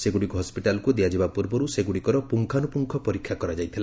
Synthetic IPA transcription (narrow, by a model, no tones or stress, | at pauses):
seɡuɽikuɦɔspiʈalɔkud̪iad͡ʒibapuɾbɔɾuseɡuɽikɔɾɔpuŋkʰanupuŋkʰɔpɔɾikʰːjakɔɾad͡ʒajt̪ʰila